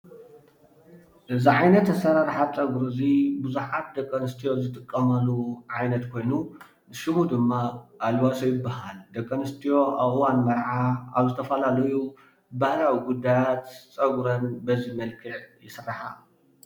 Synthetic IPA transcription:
ʔɨziʕajnɐt̪ːɐsɐɾaɾħat͡sʼɐɡɾɨzibuzuħat̪̚d̪ɐkʼːɐnɨst̪ʰijo̞zɨt̪ʼɨkʼːɐmɐlːuʕajnɐt̪kʰo̞jnu | nɨʃɨmud̪ɨmːaʔːlwasojɪbːaɦald̪ɐkʼːɐnɨst̪ʰijo̞ʔaβʔɨwanmɐɾʕaaβzɨt̪ʰɐfɐlalɐju | bahlawiɡud̪ːajat̪t͡sʼɐɡɾɐnbɐzimɐlkʰɨʕjɪsɨrːaħa̰

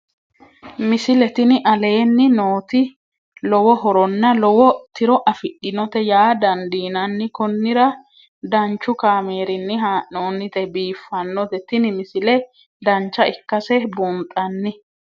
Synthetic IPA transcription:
mɪsɪlɛt̪ɪnɪʔɐle̞ːnːɪnoːt̪ɪ | lɔwɔɦɔɾɔnːɐlɔwɔt̪ɪɾɔʔɐfɪɗːɪnɔt̪ɛjaːd̪ɐnd̪iːnɐnːɪkɔnːɪɾɐ | d̪ɐnt͡ʃːʊkaːmeːɾɪnːɪɦaːʔnoːnːɪt̪ɛbiːfːɐnːɔt̪ɛt̪ɪnɪmɪsɪlɛ | d̪ɐnt͡ʃːɐʔɪkːɐsɛbʊnt̪ʼːɐnːɪ

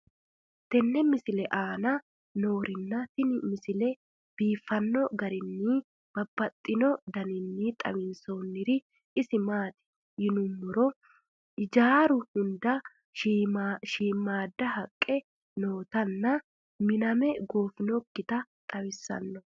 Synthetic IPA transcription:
t̪ɛnːɛmɪsɪlɛʔaːnɐ | no̞ːɾɪnːɐt̪ɪnmɪsɪlɛ | b̥iːfːɐnːɔɡɐɾɪnːi | b̥ɐbːɐt̪ʼːɪnɔd̪ɐnɪnːit̪ʼɐ̰wɪnso̞ːnːɪɾɪ | ɪsɪmaːt̪ɪ̥ | jɪnʊmːʊɾɔ | ɪd͡ʒaːɾʊhʊnd̪ɐ | ʃiːmːaːd̪ːɐhɐkʼːɛ | noːt̪ɐnːɐ | mɪnɐmɛɡo̞ːfɪnɔkːɪt̪ɐt̪ʼɐwɪsːɐ̰nːɔ

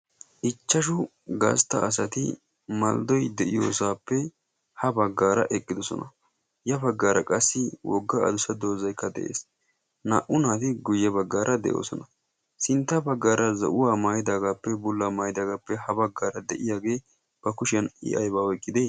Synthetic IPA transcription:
ʔɪt͡ʃːɐʃ̬ʊ | ɡɐ̰st̪ːɐ̰ɐs̬ɐt̪ɪ̰ | mɐ̰ld̪ɔjd̪ɛʔɪjo̰ːsaːpːɛ | hɐbɐɡːaːɾɐ̰ʔɛkʼːɪd̪ɔsɔ̰nɐ̰ | jɐbɐɡːaːɾɐkʼɐsːɪwʔɔɡːɐɐ̰d̪ʊsɐd̪o̞ːzɐjkːɐd̪ɛ̰ʔḛːs | na̰ːʔʊnaːt̪ɪɡʊjːɛbɐɡːaːɾʔɐd̪ɛ̰ʔo̰ːsɔnɐ | sɪnt̪ːɐbɐɡːaːɾɐzɐ̰ʔʊwaːmaːjɪd̪aːɡaːpːɛbʊlːamaːjd̪aːɡaːpːɛhɐbɐɡːaːɾɐd̪ɛʔɪjaːɡe̞ː | b̥ɐkʊʃɪɐnɪ̰ʔɐjbaːɔjkʼːɪd̪eː

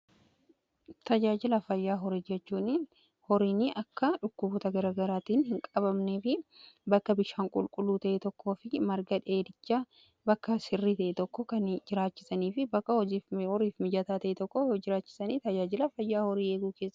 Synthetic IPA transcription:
t̪ɐd͡ʒaːd͡ʒɪlɐfɐjːaːɦɔɾiːd͡ʒɛt͡ʃːuːnɪn | hɔɾiːnɪʔɐkːɐᶑʊkːʊbɔt̪ɐɡɐɾaːɡɐɾaːt̪iːnhɪŋkʼɐbɐmneːfɪbɐkːɐbɪʃaːŋkʼʊlkʼʊlːuːt̪ɐʔɛt̪ɔkːo̞ːfɪmɐɾɡɐᶑɛeːd̪ɪt͡ʃːaː | bɐkːɐsɪrːiːt̪ɐʔet̪ɔkːɔkɐnd͡ʒɪɾaːt͡ʃːɪ̥sɐniːfɪbɐkːɐhɔihɔɾiːfmɪd͡ʒɐt̪aːt̪ɐʔet̪ɔkːɔd͡ʒɪɾaːt͡ʃːɪ̥sɐniːt̪ɐd͡ʒaːd͡ʒɪlɐfɐjːaːhɔɾiːeːɡuːkeːsːɐ

